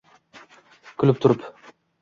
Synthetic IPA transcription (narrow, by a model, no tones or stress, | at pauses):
kʰʊlɪp̚t̪ʰʊɾɪp